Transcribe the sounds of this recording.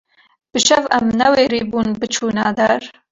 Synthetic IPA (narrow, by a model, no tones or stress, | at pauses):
b̥ɨʃɛvɛmnɛweːɾiːbuːnbɨt͡ʃʰuːnɑːd̪ɐɾ